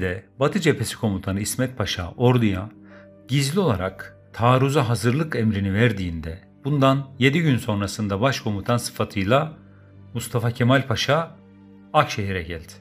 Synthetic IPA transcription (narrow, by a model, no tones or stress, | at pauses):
d̪ɛbat̪ʰɯd͡ʒepʰe̞si̥kʰo̞mut̪ʰanɯismɛt̪̚pʰaʃa̰ːo̞ɾd̪uja | ɟizlʲio̞lˠaɾak | t̪ʰaːɾuzaɦazɯɾlˠɯkɛmɾinivæɾd̪iːnd̪ɛ | bund̪anje̞d̪iɟynso̞nɾasɯnd̪abaʃkʰo̞mut̪ʰansɯ̥fat̪ʰɯjlˠa | must̪ʰafacʰemalʲpʰaʃa | akʃeɦiɾɛɟælʲd̪̥ɪ̥